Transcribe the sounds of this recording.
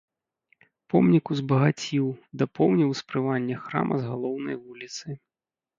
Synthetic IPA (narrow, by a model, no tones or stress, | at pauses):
pɔmnʲikuzbɐɣat͡sʲiwd̪ɐpɔwnʲiwspɾɨvanʲːɛxɾa̰mʔɐ̰zɣalˠɔwnɐjvulʲit̪sɨ